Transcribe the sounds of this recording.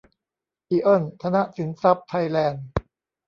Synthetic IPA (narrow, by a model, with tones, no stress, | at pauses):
ʔiː˧ʔɤ˥˩nt̪ʰa˧na˦˥ʔsi˩˦nsa˦˥p̚t̪ʰa˧jlɛː˧n